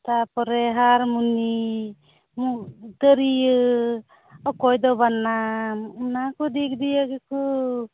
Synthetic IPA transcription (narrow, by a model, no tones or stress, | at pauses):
t̪apɔɾeɦaɾmuni | mud̪əɾiɯ | ɔkɔjd̪ɔbanːa | nakud̪ik̚d̪iaɡeku